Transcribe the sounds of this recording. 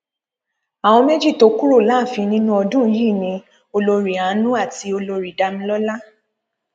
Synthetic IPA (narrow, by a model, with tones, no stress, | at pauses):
a˨w̃ɔ̃˧me˦d͡ʒi˦˨to˧˦ku˦ɾo˦˨la˨˦˨fi˧nĩ˦nũ˦ɔ˧dũ˦˧˦ji˦˨nĩ˧ | o˧lo˧ɾi˨ã˨˦nũ˦a˦˨ti˧o˧lo˧ɾi˨da˧mĩ˧lɔ˦la˦